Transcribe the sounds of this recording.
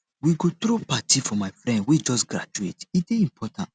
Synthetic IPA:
wiɡotɾopatʰifɔmaɪfɹɛ̃ndwid͡ʒɔsɡɾa̰d͡ʒuetiteĩmpʰɔtʰãnt

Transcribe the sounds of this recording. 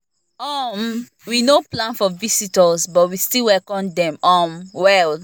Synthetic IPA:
ɔm | winoplãnfɔvisitɔzbɔtwistilwɛkɔ̃ndɛ̃mɔmwɛl

